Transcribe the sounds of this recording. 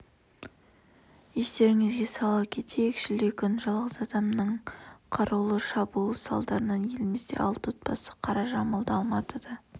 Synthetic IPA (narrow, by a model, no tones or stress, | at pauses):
jest̪e̞ɾɪŋɪzɡʲe̞sɑlˠɑp̚kʲʰe̞t̪ʰekʃɪld̪ekʲʰʏnʒɑlˠʁəzɑd̪ɑmnəɴqʰɑɾɑwlˠəʃɑbulˠəsɑ̰lˠd̪ɑɾənɑnje̞lɪmɪzd̪e̞̰ʔɑlˠt̪ot̪̚pɑsə̥qʰɑɾɑʒɑməlˠd̪əɑlˠmɑt̪əd̪ə